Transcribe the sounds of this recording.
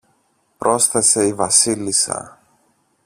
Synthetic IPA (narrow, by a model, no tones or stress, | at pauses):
pɾo̞sθese̞ivɐsilisɐ̰